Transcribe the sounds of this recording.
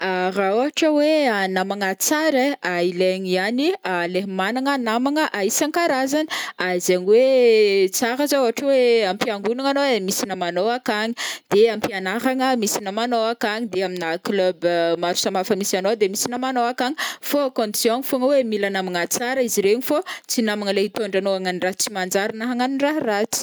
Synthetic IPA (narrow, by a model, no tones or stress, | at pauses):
aɾaoaʈ͡ʂəweanamaŋat͡saɾeaileɲianialeɦmanaŋənamaŋəʔaisaŋkaɾazani̥azaɲiwet͡saɾəzauɦaʈ͡ʂəweampiaŋɡunaŋanomisinəmanoakaɲid̪̥eampianaɦaŋəmisinəmanoakaɲid̪eaminakløbmaɾu̥samafəmisanod̪emisinəmanoakaɲifokõnt̪sjoɲifoŋəwemilanamiŋat͡saɾəiziɾeɲifot͡sinamaŋəleɦit̪oɳɖ͡ʐanoaŋaniraɦt͡simand͡ʒaɾinaɦaŋaniraɦrat͡si̥